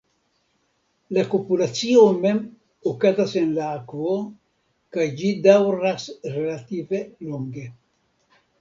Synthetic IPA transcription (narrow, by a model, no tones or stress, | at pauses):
lakopulasjomem | okat̪asenlaːkwo | kajd͡ʒid̪awrasrelat̪iveluŋɡe